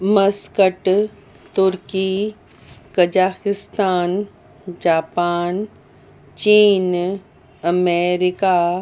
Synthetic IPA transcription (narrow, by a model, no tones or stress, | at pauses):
mɐskəʈ | t̪ʊɾki | kɐd͡ʒaːkɪst̪aːn | d͡ʒaːpaːn | t͡ʃiːn | ɐmeːɾɪkaː